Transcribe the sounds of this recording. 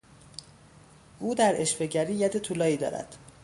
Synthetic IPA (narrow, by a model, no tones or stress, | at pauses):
ʔuːd̪æɾe̞ʃfe̞ɟæɾiːjæd̪e̞t̪ʰuːlɒːiːd̪ɒ̰ːɾæ̰d̪̥